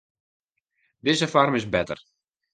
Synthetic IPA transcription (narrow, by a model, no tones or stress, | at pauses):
dɪzəfarmɪsbɛtə̰r